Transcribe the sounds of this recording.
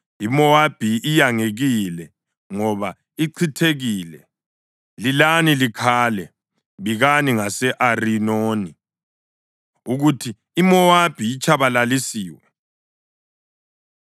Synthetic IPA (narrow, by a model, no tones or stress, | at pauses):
imɔab̥ʱiijaŋeɣilɛ | ŋɔβa | iǀʰitʰeɣiːlɛ | lilanilikʰaːlɛ | βiɣaniŋasɛʔarinoːni | uɣutʰiːmɔab̥ʱijːt͡ʃʰʼaβalalisiːwɛ